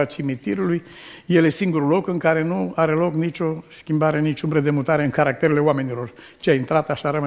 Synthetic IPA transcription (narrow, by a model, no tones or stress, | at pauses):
at͡ʃimit̪iɾuluj | je̞lesiŋɡuɾulo̞kɨŋkaɾe̞nuaɾe̞lo̞knit͡ʃʲo̞skʲimbaɾe̞nit͡ʃumbɾed̪e̞mut̪aɾe̞ɨŋkaɾak̚t̪e̞ɾe̞le̞owame̞nilo̞r | t͡ʃeaint̪ɾat̪aʃaɾəma